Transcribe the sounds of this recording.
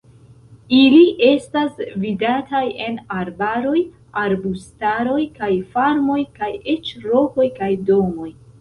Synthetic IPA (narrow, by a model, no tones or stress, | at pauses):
iliʔe̞stasvidataje̞naɾbaɾo̞j | aɾbustaɾo̞jkajfaɾmo̞jkaje̞t͡ʃɾo̞ko̞jkajdo̞mo̞j